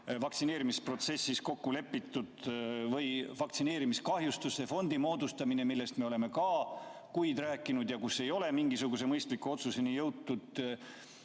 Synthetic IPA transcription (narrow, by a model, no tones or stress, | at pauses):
vɑkt̪sineːɾimispro̞t̪se̞sːisko̞kːule̞pːit̪ːˑud̪̥vɤjvɑkt̪sine̞ːɾimiskɑɦjust̪usːefo̞nd̪̥imo̞ːd̪ust̪ɑmine̞milːe̞st̪meole̞me̞kɑkujd̪̥ræːkːˑinud̪jɑkuse̞jo̞le̞miŋɡisuɡ̥use̞mɤjst̪likːˑuo̞t̪susenijɤwt̪ːud̪̥